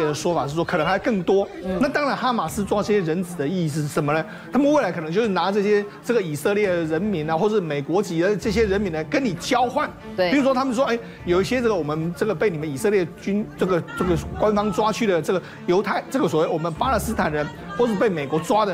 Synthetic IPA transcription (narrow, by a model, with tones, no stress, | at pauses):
d̪ə˩ʂwɔ˥fa˨˩ʂ̩˥˧˩ʂwɔ˥kʰnɤ˧˥ŋxa˧˥kɤ˥˩ŋt̪wɔ˥na˥˩t̪ɑ˥ŋɻa˧˥nxa˥ma˨˩sɹ̩˥t͡swa˥ʈ͡ʂɤ˥˩ɕjɛ˥ɻə˧˥nt͡sɹ̩˨˩d̪ə˦i˥˩s̬̩˧ʂ̩˥˩ʂə˧˥nmə˧nə˦ | t̪ʰa˥mə˨nwe˥˩a˧˥ɪkʰɤ˨˩n˧ŋt͡ɕjo˥˧ʊʂɻ̩˥˩na˧˥ʈ͡ʂɤ˥˩ɕjɛ˥ʈ͡ʂɤ˥˩ɡə˩i˨˩sɤ˥˧ljɛ˥˩ə˩ɻə˧˥nmi˧˥nɐ˧xwɔ˥˩əʂɻ̩˥˩me˨˩ɪkwɔ˧˥t͡ɕi˨˥ə˧˥ʈ͡ʂɤ˥˩ɕ̬jɛ˥ɻə˧˦˥nmi˧˥nə˧kə˦˥nni˨˩t͡ɕjɑ˥ʊxwa˥˩ni˨˩ɻu˧˥ʂwɔ˥t̪ʰa˥mə˨nʂ̬wɔ˥ʔe˥˩ɪ | jo˨˩ʊi˥ɕjɛ˥ʈ͡ʂɤ˥˩ɡə˩wɔ˨˩mə˧˦nʈ͡ʂɤ˥˩ɡə˩pe˥˩ɪni˨˩mə˦i˨˩sɤ˥˧ljɛ˥˩t͡ɕy˥nʈ͡ʂɤ˥˩ɡə˩ʈ͡ʂɤ˥˩ɡə˩kwa˥nfɑ˥ŋʈ͡ʂwa˥t͡ɕʰy˥˩ɾə˩ʈ͡ʂɤ˥˩ɡə˩ | jo˧˥ʊt̪ʰa˥˩ɪʈ͡ʂɤ˥˩ɡə˩swɔ˨˩we˥˩ɪwɔ˨˩mə˧˦npa˥la˥˧˩s̩˥t̪ʰa˨˩nɻə˧˦n | xwɔ˥˧ʂɻ̩˥˧pe˥˩ɪme˨˩ɪkwɔ˧˥t͡swa˥d̪ə˨